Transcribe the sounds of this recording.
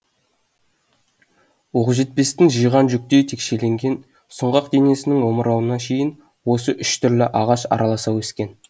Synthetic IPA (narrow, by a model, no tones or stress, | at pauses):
woʁəʒe̞t̪̚pe̞st̪ɪnʒəjʁɑnʒʏk̚t̪e̞jt̪ʰe̞kʃe̞le̞ŋɡʲe̞n | sʊɴʁɑqd̪e̞ne̞sɪnɪŋwo̞məɾɑwənɑkʲʰe̞jɪn | wo̞s̬əʔʏʃt̪ʰʏɾlɪʔɑʁɑʃɑ̰ɾɑlˠɑsɑweskʲe̞n